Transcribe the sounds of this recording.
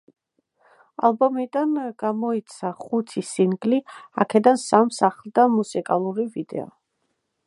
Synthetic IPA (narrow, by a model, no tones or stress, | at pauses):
a̰lˠbɔmid̪anɡ̥amɔit̪sʰaχut̪ʰisiŋɡlia̰kʰɛd̪ansamsaχlˠd̪amusikʼalˠuɾivid̪ɛ̰ɔ̰